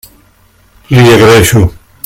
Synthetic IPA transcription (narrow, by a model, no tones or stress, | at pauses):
lieɣɾeʃu